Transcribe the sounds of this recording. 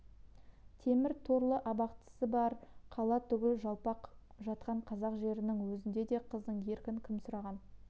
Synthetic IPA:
t̪ʰe̞mɪɾt̪ʰo̞ɾlˠəʔɑbɑqt̪ə̥səbɑɾqʰɑlˠɑt̪ʰʏɡʲɪlʒɑlˠpɑqʒɑt̪̚qɑɴqʰɑzɑqʒe̞ɾɪnɪŋwɵzɪnd̪e̞d̪e̞qʰəzd̪əɴe̞ɾkʲɪŋkʲʰɪmsʊɾɑʁɑn

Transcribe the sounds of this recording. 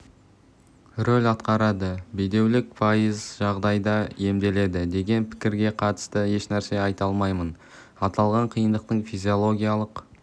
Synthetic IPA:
rolʲɑt̪qɑɾɑd̪əbijd̪e̞wlɪk̚pʰɑjəzʒɑʁd̪ɑjd̪ɑe̞md̪e̞le̞d̪ɪd̪e̞ɡʲe̞npʰɪ̥kʲɪɾɡʲe̞qʰɑt̪ə̥st̪əje̞ʃnæɾse̞ɑjt̪ɑlˠmɑjmən | ɑt̪ɑlˠʁɑɴqʰijənd̪əq̚t̪əɴfizʲio̞lˠo̞ɡʲijalˠəq

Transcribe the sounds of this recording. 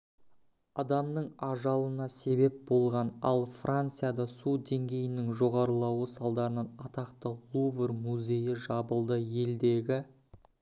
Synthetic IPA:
ɑd̪ɑmnəɴɑʒɑlˠənɑse̞be̞p̚bo̞lˠʁɑnɑ̰lˠfrʔant̪sɨjad̪ɑsud̪e̞ŋɡʲe̞jɪnɪŋʒo̞ʁɑɾəlˠɑwəsɑlˠd̪ɑɾənɑnɑt̪ɑqt̪əlˠuvermuzʲe̞jɪʒɑbəlˠd̪əje̞ld̪e̞ɡʲɪ

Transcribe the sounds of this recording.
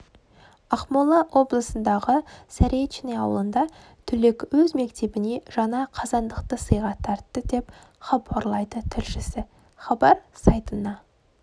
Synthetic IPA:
ɑχmolˠɑʔwʔo̞blˠəsənd̪ɑʁəsæɾet̪t͡ʃɪneɑwlˠənd̪ɑ | t̪ʰʏle̞kwɵzme̞kt̪e̞bɪne̞ʒ̥ɑnɑqʰɑzɑnd̪əqt̪əsəjʁɑt̪ʰːɑɾt̪ːəd̪e̞p | χɑbɑɾlˠɑjd̪ət̪ʰʏlʃɪsɪ | χɑbɑɾsɑjt̪ənɑ

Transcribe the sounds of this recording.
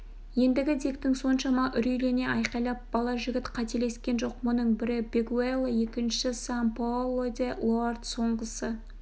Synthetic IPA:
je̞nd̪ɪɡʲɪd̪e̞kt̪ɪŋso̞nʃɑmɑʔʏɾijle̞ne̞ʔɑjqɑjlˠɑp̚b̥ɑlˠɑʒɪɡʲɪt̪qʰɑt̪e̞le̞skʲe̞nʒo̞qwonəɴbɪɾɪbʲeɡuelˠːje̞kʲɪnʃɪsampolˠod̪ʲelˠoart̪so̞ɴʁəsə

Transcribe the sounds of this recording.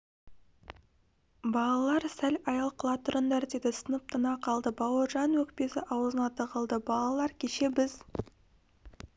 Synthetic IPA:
bɑlˠɑlˠɑɾsælɑjɑlˠqʰəlˠɑt̪ʰʊɾənd̪æɾd̪ed̪ɪsənəp̚t̪ʰənɑqʰɑlˠd̪əbɑwəʒɑnwɵk̚pe̞sɪʔɑwzənɑt̪əʁəlˠd̪əbɑlˠɑlˠɑɾkʲʰeʃe̞bɪz̥

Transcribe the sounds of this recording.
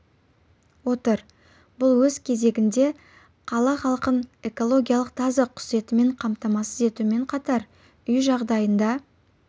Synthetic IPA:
wo̞t̪əɾ | bʊlˠwɵzkʲʰe̞ze̞ɡʲɪnd̪e̞ | qʰɑlˠɑχɑlˠqəne̞ko̞lˠo̞ɡʲijalˠəq̚t̪ʰɑzɑqʰʊ̥se̞t̪ɪme̞ɴqʰɑmt̪ɑmɑsəze̞t̪ume̞ɴqʰɑt̪ɑɾ | ʏjʒɑʁd̪ɑjənd̪ɑ

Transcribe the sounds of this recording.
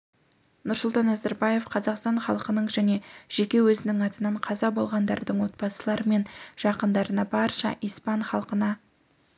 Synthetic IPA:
nʊɾsʊlˠt̪ɑnæzæɾbɑje̞fqʰɑzɑqst̪ɑɴχɑ̰lˠəqənəɴʒæne̞ʒ̥e̞kʲe̞wɵzɪnɪŋɑt̪ənɑɴqʰɑzɑbo̞lˠʁɑnd̪ɑ̰ɾd̪əɴwo̞t̪̚bɑsəlˠɑɾəme̞nʒ̥ɑqənd̪ɑɾənɑbɑɾʃɑ̰ʔijspɑnχɑlˠqənɑ

